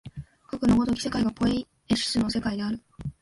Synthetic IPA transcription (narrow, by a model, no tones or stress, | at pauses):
kakɯ̟noɡo̞t̪o̞kʲi̥se̞kaiɡapo̞i | eɕi̥sɨno̞se̞kaid̪e̞aɾɯ̟